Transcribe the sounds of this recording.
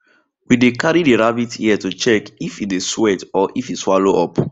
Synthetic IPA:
widekaɹideɹabitʰiɛtut͡ʃɛkifiteswɛtɔʔifitswaloʔɔp

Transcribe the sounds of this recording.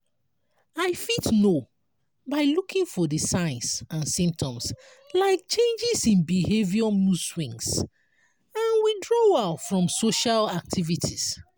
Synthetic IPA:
aɪfitno | baɪlukʰĩŋfɔdəsaj̃nsãnsĩmp̚tʰɔ̃ms | laɪk̚t͡ʃẽnd͡ʒisĩnbiheviɔmuswĩŋs | ãnwidɹoaʊtfɹɔ̃msoʃalak̚tʰivitʰis

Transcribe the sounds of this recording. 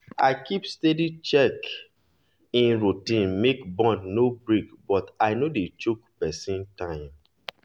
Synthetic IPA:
aɪkʰipstedit͡ʃɛk | ĩnɹutĩnmekbɔ̃ndnobɹikbɔtaɪnodet͡ʃukpɛsĩntãɪ̃m

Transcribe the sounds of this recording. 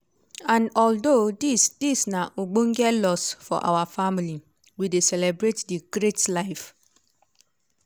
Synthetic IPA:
ãnɔldodisd̥isnaʔoɡ͡bõŋ̩ɡɛlɔsfɔ̰ʔa̰wafamili | widesɛlɛbɹetdiɡ̥ɾetlaɪf

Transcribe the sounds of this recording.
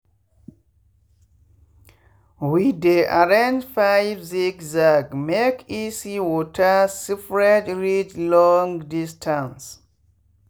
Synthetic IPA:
wideʔaɹãnd͡ʒfajvsikzaɡmekʰisiwɔtʰasifɹɛtɹid͡ʒlɔ̃ŋdistʰãns

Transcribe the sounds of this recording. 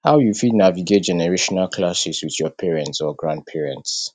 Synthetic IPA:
haʊjufidnaviɡet̚d͡ʒɛnɛɹeʃɔnalkʰlasiswiðjɔpʰɛɹɛ̃ntsɔɡɹãnd̚pʰɛɹɛ̃nts

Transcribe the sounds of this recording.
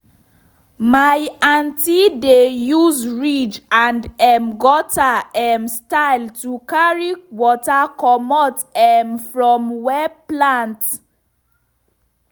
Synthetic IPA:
majãntidejuzɹid͡ʒãndɛmɡɔtaɛmstaɪltukaɹiwɔtakɔmɔtɛmfɹɔ̃mwɛplãnt

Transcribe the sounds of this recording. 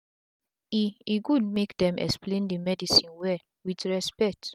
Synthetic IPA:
iiɡud̚mekdɛ̃mʔɛ̰ksplẽndəmɛdisĩnwɛ | widɹɛspɛk̚t

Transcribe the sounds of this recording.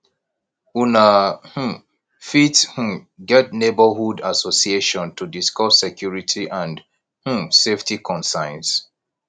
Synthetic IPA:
unah̩ | fith̩ | ɡɛt̚nebəhudasosieʃɔ̃ntʰudiskɔssɛkʰjuɹitʰiʔãnd | h̩seftikʰɔ̃nsãɪ̃ns

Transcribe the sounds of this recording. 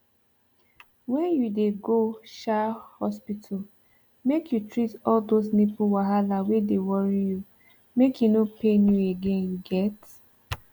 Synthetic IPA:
wɛ̃njudeɡoʃahɔspitʰɔl | mekjutɹitɔldosnepuwaɦalawedewɔɹiju | mekjunopenjueɡẽnjuɡɛt

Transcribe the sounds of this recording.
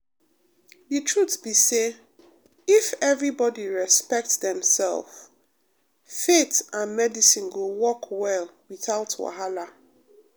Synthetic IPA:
ðɨtʰɹutbise | ifɛvɹibɔdiɹɛspɛk̚tðɛ̃msɛ̰lˠf | fetãnmɛdisĩnɡowɔkʰwɛlwiθaʊtʰwa̰ɦala

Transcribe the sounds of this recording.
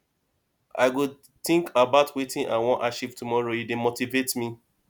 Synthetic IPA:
a̰ɪɡu | tɪ̃ŋkʰabaʊtwetĩnʔãnwɔ̃nʔaʃitumɔɹojudemotivetmi

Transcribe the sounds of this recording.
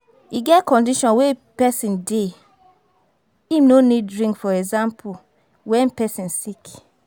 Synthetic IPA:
iɡɛtkɔ̃ndiʃɔ̃nwepɛsĩnde | inoniddɹĩŋkfɔɛɡzãmpʰu | wɛ̃npɛsĩnsik

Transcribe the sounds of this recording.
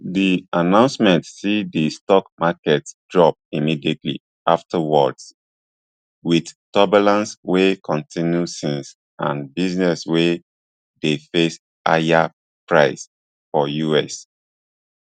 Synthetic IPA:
dianãʊ̃nsmɛ̃ntsidistɔkmakɛtd̥ɹɔp̚imidietlḭ | aftʰəwɔds | widtɔbəlãnswekʰɔ̃ntʰĩnjusĩns | ã̰nbiznɛswe | defes | ʔa̰ja | pɹaɪs | fɔjuɛs

